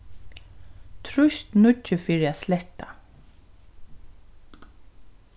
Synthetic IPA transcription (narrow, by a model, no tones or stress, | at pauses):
t̪ʰɾʊst̪nʊːɪfiːɾɪaslɛht̪a̰